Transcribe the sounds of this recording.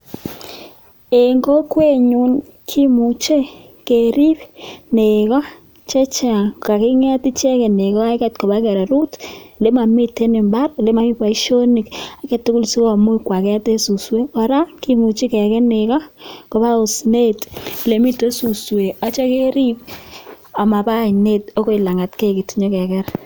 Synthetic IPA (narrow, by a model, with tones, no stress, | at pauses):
e˨ŋɡo˦kwe˦ɲu˨n | kʰi˦mu˨t͡ʃe˦ | ke˨ɾi˦pne˨kɔ˦ | t͡ʃɛ˦t͡ʃa˨a˨kɪ˦ŋɛ˦ti˦t͡ʃɛ˦kɛ˨ne˨kɔ˦a˦kɛ˦˨tkɔ˨ba˦kɛ˨ɾa˨ɾu˦tle˦ma˨mi˦te˦ne˨mba˦rle˦ma˨mi˦pa˨i˦ʃo˦ni˨ka˦kɛ˨tːʊ˦kʊ˦lsi˦a˨mu˦i˦kwa˨kɛ˦te˦su˨swe˦kɔ˨ɾa˦ki˦mu˨t͡ʃi˦kɛ˨kɛ˦ne˨kɔ˦ko˨ba˦ʊ˨sne˦tle˨mi˦to˦su˨swe˨a˦t͡ʃɔ˦ke˦ɾi˦p̚ | a˨ma˨pa˦i˨ne˦to˦ko˦i˨la˨ŋa˨tke˦˨ki˨ti˨ɲɔ˦kɛ˨kɛ˦ɾ